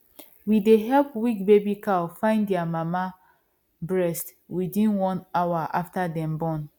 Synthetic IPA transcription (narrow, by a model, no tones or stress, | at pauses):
wideɦɛlpwik̚bebikafãɪ̃ndɛamama | bɹɛst | widĩnwɔ̃nawaʔaftadɛ̃mbɔ̃n